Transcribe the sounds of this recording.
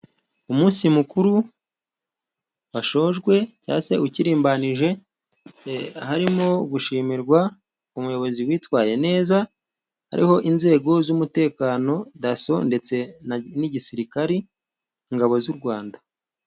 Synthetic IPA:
umuːnsimukuɾu | waʃo̞ːʒɡwe̞ca̰ːse̞ʔuciɾiːmbaniʒe̞ | haɾimo̞ɡuʃiːmiɾɡwa | umujo̞βo̞ziwiːtwaːje̞ne̞ːza | ha̰ɾʔḭho̞ʔinze̞ːɡo̞zumute̞ːkaːno̞daso̞nde̞t͡se̞naniɟisiɾikaɾi | iŋɡaβo̞zuɾɡwaːnda

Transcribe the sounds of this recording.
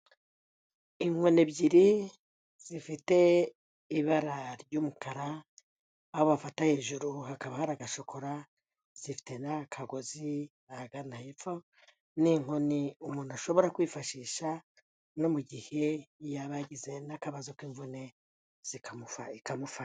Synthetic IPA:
iŋwone̞bɟiɾi | z̥ifite̞ | iβaɾaɾɟumukʰaɾaː | hoβafatahe̞ːʒuɾuhakaβahaɾaɡaʃo̞kʰo̞ɾa | z̥ifi̥te̞nakʰaɡo̞zi | aɡanahefo | niŋoniumuːnuaʃo̞βo̞ɾakwiːfaʃiːʃa | no̞muɟihe̞jaβaɟize̞nakaβazokwiːɱvune̞ | z̥ikʰamuaikamufa

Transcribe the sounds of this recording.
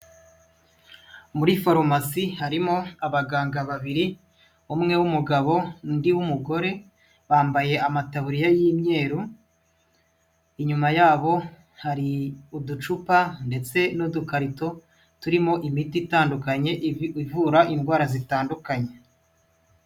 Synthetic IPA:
muɾifoɾomasihaɾimo̞aβaɡaːŋɡaβaβiɾi | umŋe̞wumuɡaβo̞ndiwumuɡo̞ɾe̞ | βaːmbaje̞amataβuɾijajiːmɲe̞ːɾu | iɲumajaːβo̞ | haɾiudut͡ʃupande̞t͡se̞nodukaɾito̞ | tuɾimo̞ʔimititaːndukaɲe̞ivuːɾaʔinɡwaːɾazitaːndukaɲe̞

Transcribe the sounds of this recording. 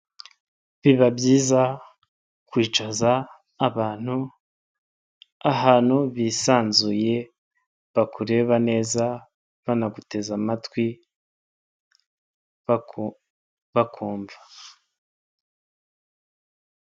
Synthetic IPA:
βiβabjiːza | kwiːt͡ʃazaː | βaːn̥hu | aɦaːn̥huβiːsaːnzuje̞ | βakuɾe̞βane̞ːza | βanaɡute̞zamatkwi | βakʰuːɱvḁ

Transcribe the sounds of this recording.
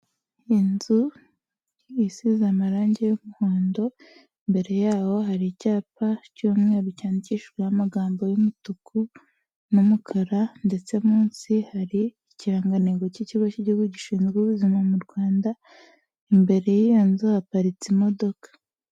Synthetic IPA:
inzu | jisizamaɾaːɲɟe̞jomuhoːndo̞ | imbe̞ɾe̞jaːwo̞ɦaɾicaːpacumŋeːɾucaːniciʃɡwehamaɡaːmbo̞jumutukʰu | numukʰaɾande̞t͡se̞muːnsihaɾiː | ciɾaːŋɡaneɡo̞ciciβociɟuɡuɟiʃiːnzɡiβuzimamuɾɡwaːnda | imbe̞ɾe̞jijonzuhapaɾit͡simo̞do̞kḁ

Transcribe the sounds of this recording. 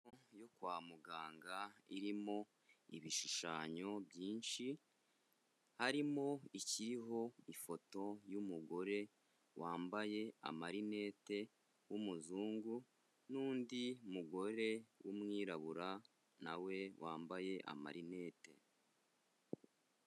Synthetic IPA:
ojo̞kwaːmuɡaːŋɡaḭɾimo̞ | iβiʃiʃaːɲo̞bjiːnʃi | haɾimo̞iciɾiɦo̞ifo̞to̞jumuɡo̞ɾe̞ | waːmbaje̞a̰maɾine̞ːte̞ | wumuzuːŋɡu | nuːndiumuɡo̞ɾe̞wʔumŋiːɾaβuɾa | nawe̞wʔaːmbaje̞ʔa̰ma̰ɾine̞ːte̞̰

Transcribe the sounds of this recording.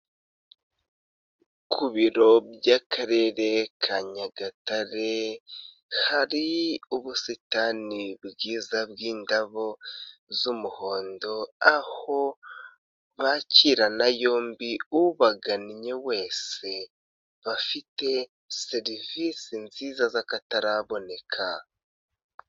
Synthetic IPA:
kʰuβiɾo̞bjakʰaɾe̞ɾe̞kʰaɲaɡataɾe | haɾiuβusitanibɡiːzabɡiːndaβozumuho̞ːndo̞aho̞ | βaciɾanajo̞ːmbiuβaɡaniɲewe̞ːse̞ | βafite̞ | se̞ɾivisinziːzazakataɾaβo̞ne̞kʰa

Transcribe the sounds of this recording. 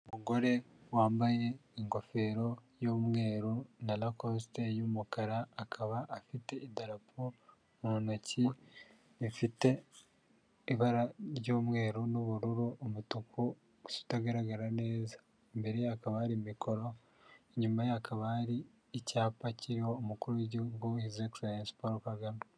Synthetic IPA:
omuɡo̞ɾe̞ | waːmbaje̞iŋɡo̞fe̞ːɾo̞joːmŋe̞ːɾonalakos̬tejumukaɾaːkʰaβaʔːfite̞idaɾapʰo | monoci | ifite̞ | iβaɾaɾɟoːmŋe̞ːɾunuβuɾuɾuːmutuku | su̥taɡaɾaɡaɾane̞ːza | mbe̞ɾeakaβahaɾimikʰo̞ɾo | ɲumajakʰaβahaɾiː | caːpaciɾiho̞ːmukuɾueɟiɡuhizeksajanspoɾkaɡano

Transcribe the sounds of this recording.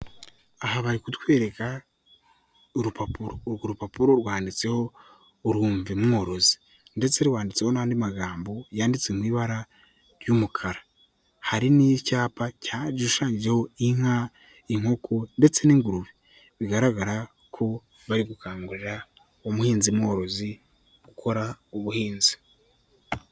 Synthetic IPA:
ahaβaɾikutwe̞ːɾe̞ka | uɾupapuɾoɾɡuɾupapuɾo̞ɾwaːndit͡se̞ho̞ | uɾuːɱvimŋo̞ɾo̞zi̥ | nde̞t͡se̞ɾwaːndit͡se̞ho̞nahaːndimaɡaːmbo̞jaːndit͡semwiːβaɾa | ɾjumukʰaɾa | haɾinijcaːpacad͡ʒiuʃaːɲɟid͡ʒeho̞iŋ̥ha | iŋ̥ho̞kʰonde̞t͡se̞niːŋɡuɾuβi | βiɡaɾaɡaɾa | kʰo̞ | βaɾiɡukaːŋɡuɾeɾa | omuhiːnzimŋoɾo̞zi | ɡ̥ukʰo̞ɾauβuhiːnzi̥

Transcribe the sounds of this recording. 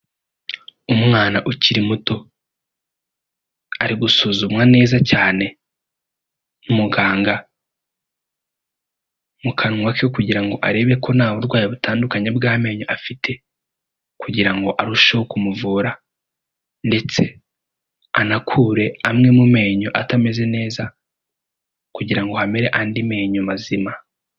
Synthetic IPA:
umŋaːnaʔuciɾimuto̞ | aɾiɡusuːzumwane̞ːzacaːne̞ | numuɡaːŋɡa | mukʰanŋwakekuɟiɾaŋɡo̞ʔaɾe̞βe̞kʰo̞naːβuɾɡwaːjiβutʰaːndukaɲe̞bɡaːme̞ːɲo̞ʔafitʰe̞ | kuɟiɾaŋɡo̞ʔaɾuʃewokumuvuːɾa | nde̞t͡se̞ | anakʰuːɾe̞amŋe̞mume̞ːɲo̞ʔatame̞ze̞ne̞ːza | kuɟiɾaŋɡo̞hameɾe̞ʔaːndime̞ːɲomazima

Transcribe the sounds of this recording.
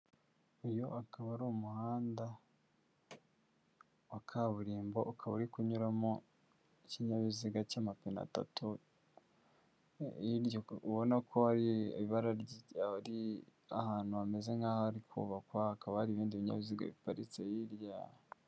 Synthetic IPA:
ujo̞akaβaɾuːmuhaːnda | wakʰaβuɾiːmboʔukʰaβuɾikuɲuɾamo | iciɲaβiziɡacamapina̰ta̰tu | iɾjouβo̞nakʰo̞haɾḭβiβaɾaɾaɾiahaːn̥huβame̞ze̞ŋɡaːhaaɾikʰṵːβakwaakaβahaɾiβiːndiβiɲa̰βiziɡa̰βipaɾit͡sejiɾja

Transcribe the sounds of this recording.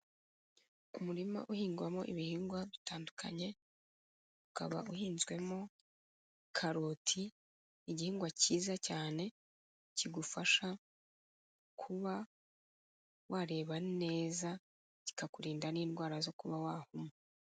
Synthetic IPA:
umuɾima̰ʔuhiːŋɡwamo̞̰ʔiβihiːŋɡwaβitaːndukʰa̰ɲe̞ | uka̰βa̰ʔuhiːnzɡwe̞mo̞ | kʰaɾotʰiː | ɟihiːŋɡwaciːzacaːne̞ | ciɡufaʃa | kʰuβa | wʔaːɾe̞ːβanne̞ːza | ɟi̥kakuɾiːndaniːndɡwaːɾazo̞kuβawaːhumo

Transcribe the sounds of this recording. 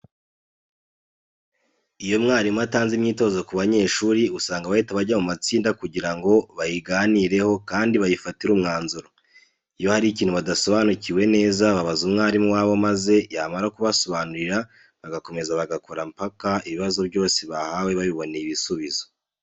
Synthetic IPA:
ijo̞mŋaːɾimuataːnzimɲiːto̞ːzokuβaɲe̞ːʃuːɾiusaːŋɡaβaitaβaɟamumat͡siːndakuɟiɾaŋɡo̞βajiɡaniɾe̞ho̞kaːndiβajifatiɾuːmŋaːnzuɾo | ijo̞haɾiciːnhuβadaso̞βanuciwe̞ne̞ːzaβaβazumŋaːɾimuwaːβo̞maze̞jaːmaɾakuβaso̞βaːnuɾiɾa | βaɡako̞me̞zaβaɡakoɾampakaiβiβazo̞βjo̞ːseβahawe̞βaβiβo̞nejiβisuβizo̞

